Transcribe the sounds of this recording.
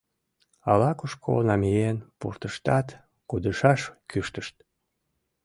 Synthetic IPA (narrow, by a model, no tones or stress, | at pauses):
ɑlɑkuʃkʰo̰nɑmijenpṵrt̪əʃt̪ɑt̪ | kud̪əʃɑʃkyʃt̪əʃt̪̚